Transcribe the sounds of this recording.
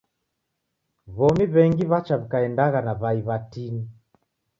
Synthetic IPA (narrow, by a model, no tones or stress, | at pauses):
βɔmiβɛŋɡiβat͡ʃaβikaɛndaɣanaβaiβatini